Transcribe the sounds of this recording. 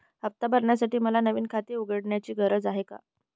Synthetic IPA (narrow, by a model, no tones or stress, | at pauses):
həft̪abəɾɳjasaʈiːməlanəʋiːnkʰat̪iːɾuɡəɽɳjat͡ɕiːɡʱəɾəd͡zaɦeka̰